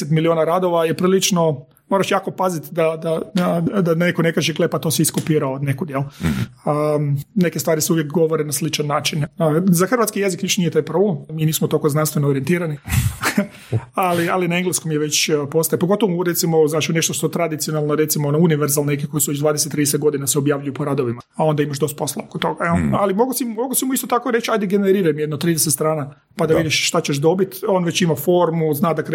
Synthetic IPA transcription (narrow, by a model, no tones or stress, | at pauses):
set̪milioːnaɾad̪oʋajepɾiːlit͡ʃno | moɾaʃjaːko̞pazit̪d̪ad̪aad̪ane̞kone̞kaːʒeɡlepat̪o̞ːsiiskopiːɾaod̪nekud̪jeləne̞kest̪ʋaːɾiseuʋjekɡo̞ʋoɾenaslit͡ʃanːaːt͡ʃinzaxr̩ʋat̪skije̞zikniʃnijet̪ajpɾoblemmiːniːsmot̪okoznanst̪ʋenoɾient̪iːɾani | alialinaeŋɡleskomjeʋe̞t͡ɕpo̞st̪ajepoɡo̞t̪oʋomuɾe̞t̪simoznaːt͡ʃune̞ʃt̪oʃt̪o̞t̪ɾad̪it̪sijo̞nalˠnoɾe̞t̪simoonouniʋeɾzalˠnnekiko̞jisuʋet͡ʃd̪ʋaːd̪eset̪ːɾid̪eset̪̚ɡo̞d̪inaseobjaʋʎujupoɾad̪oʋimaao̞nd̪aimaʃd̪o̞st̪̚po̞slˠa̰okot̪ːo̞ɡaealimo̞ɡosimoɡosimuist̪ot̪akoɾe̞t͡ʃajd̪eɡeneɾiːɾajmjed̪not̪ɾiːd̪eset̪st̪ɾaːna | pad̪aʋid̪iʃʃt̪at͡ɕeʃd̪o̞bit̪o̞ːnʋet͡ɕimafo̞ɾmuznaːd̪ak